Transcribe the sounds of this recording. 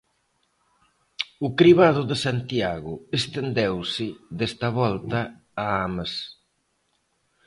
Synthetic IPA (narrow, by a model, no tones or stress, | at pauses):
ʊkɾiβaðʊðesant̪jaɣʊest̪end̪ewsɪðest̪ɐβɔlt̪ɐːamas